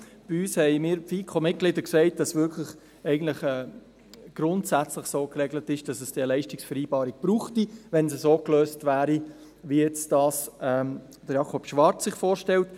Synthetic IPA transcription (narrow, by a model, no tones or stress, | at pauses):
b̥iyːshɛɪmɪːɾfiːkʰomɪt̚ɡ̥lidəksɛɪt̚d̥ɑsʋɪkʰləχ | ɛɪɡən̩tlɪχɛː | ɡ̥ɾʊntsæt͡slɪχsoːkrɛɡlətɪʃd̥ɑsəsd̥elɛɪʃtɪksfɛɾiːbɑːɾik̚b̥ɾuːχtiʋɛnsəsoːkløːstvæːɾi | ʋijɛt͡sd̥ɑsɛː | d̥əjɑkʰɔpʃʋɑɾt͡sːɪχfoːɾʃtɛlt